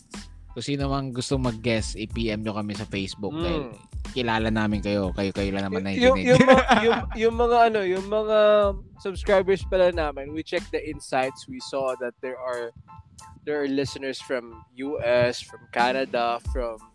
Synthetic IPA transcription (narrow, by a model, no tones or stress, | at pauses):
kʊŋsiːnomɐŋɡʊst̪oŋmɐɡ̚ːɛsipiːʔɛmɲokɐmɛsɐfejsbʊk̪̚ɐ | kɪlaːlɐnaːmɪnkɐjo̞kɐjokɐjolɐŋnɐmanɐʔɪj̪ʊjʊŋmjʊjʊŋmɐŋaɐno̞jʊŋmɐŋasɐbskɹajbɛɹspɐlɐnaːmɪnwit͡ʃɛk̚d̪ɐʔɪnsajt̪swisɔðɐt̪̚d̪ɛɹɐɹ | d̪ɛɹɐɹlɪsɪnɛɹsfɹɐmjuʔɛsfɹɐmkanɐd̪ɐfɹɐm